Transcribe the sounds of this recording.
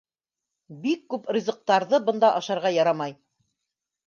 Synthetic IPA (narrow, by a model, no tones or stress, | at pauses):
bikːʉprʲizɤ̆q̚t̪ɑɾðɤbɤ̆nd̪ɑʔɑʃɑɾʁɑjɑɾɑmɑj